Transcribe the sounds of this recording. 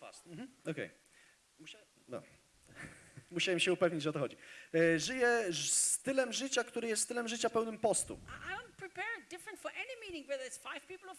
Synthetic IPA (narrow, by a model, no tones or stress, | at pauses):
s̩ɔkɛ̰j | d̪ɔ̰ | muɕawɛmɕɛupɛvɲid͡ʑʐɛɔt̪ɔxɔd͡ʑiʐɘjɛst̪ɘlɛmʐɘt͡ɕakt̪uɾɘjɛst̪st̪ɘlɛmʐɘt͡ɕapɛwnɘmpɔst̪ṵa̰dõʊ̃n̚pʰɹ̥ipɛɹdɪfɹə̃ntfə˞ʔɛnimiɾɪ̃ŋwəðsfaɪv̥pipl̩ˠɔv